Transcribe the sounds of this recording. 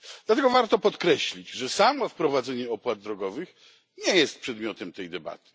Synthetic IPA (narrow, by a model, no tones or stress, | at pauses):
d̪lat̪ɛɡɔvaɾt̪ɔpɔt̪kɾɛɕlʲid͡ʑʐɛsamɔfpɾɔvad̪zɛɲɛɔpwad̪̚d̪ɾɔɡɔvɘx | ɲɛjɛst̪̚pʂɛd̪mʲjɔt̪ɛmt̪ɛjd̪ɛba̰t̪ɘ̥